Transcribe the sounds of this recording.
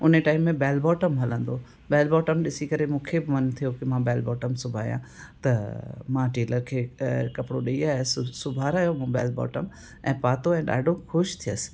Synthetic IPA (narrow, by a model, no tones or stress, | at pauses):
ʊneʈaːɪmːẽbɛːlbɔːʈəmɦɐlə̃nd̪oː | bɛːlbɔːʈəmɗɪsikɐɾemũːkʰebɪmɐnt̪ʰijokɪmãbɛːlbɔːʈəmsʊbʱaːjã̰ | t̪ɐmãʈeːləɾkʰeːkɐpɽoɗɐiaːessʊbʱaːɾaːjomũbɛːlbɔ̰ːʈəm | ɛ̃ːpaːt̪oɛ̃ːɗa̰ːɖʱoxʊʃt̪ʰijəsɪ̥